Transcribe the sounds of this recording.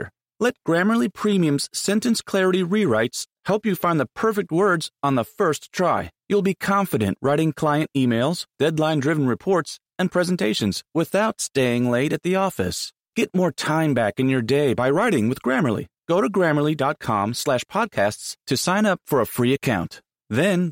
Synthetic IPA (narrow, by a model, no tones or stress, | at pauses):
lɛt̚ɡ̥ɹæmə˞lˠipʰɹ̥ĩmiɨ̃mz̥sɛ̃ntɨ̃nskʰl̥ɛɹɨɾiɹiɹaɪtshɛlˠpjɨfãɪ̃nðəpʰɜ˞fɨk̚t̚wɜ˞dzn̩ðəfɜ˞stʰɹ̥aɪjulˠbikʰɑ̃ɱfɨɾɨ̰̃nʔɹʔaɪɾɪ̃ŋkʰl̥aɪɨ̃ntimeɪlˠz̥d̥ɛdˡlãɪ̃ndɹɪvn̩ɹɨpʰɔɹts | ɨ̃npʰɹ̥ɛzn̩tʰeɪʃɨ̃nz̥wɪθaʊtsteɪɪ̃ŋleɪɾɨt̪̚ðiɔfɨ̰s | ɡ̥ɛt̚mɔɹtʰãɪ̃mbækɨ̃njə˞deɪbaɪɹaɪɾɪ̃ŋwɨðɡɹæmə˞l̩ˠḭɡ̥oʊɾɨɡɹæmə˞lˠidɑt̚kʰɑ̰̃mslæʃpʰɑd̚kʰæststʰɨsãɪ̃nʌpfə˞əfɹiɨkʰãʊ̃nt | ðɨ̃n